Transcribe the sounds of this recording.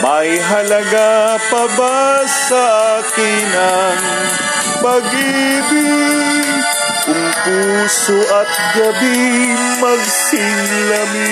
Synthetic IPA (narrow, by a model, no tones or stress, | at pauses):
mɐjɦɐlɐɡapɐbassaʔakɪnan | pɐɡibi | kʊmpusʊʔɐt̪̚ɡɐbi | mɐɡ̚sɪŋ | lɐmi